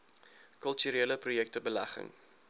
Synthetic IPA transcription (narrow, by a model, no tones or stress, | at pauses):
kəlˠtyɾeːləprujɛk̚təbəlæχə̰ŋ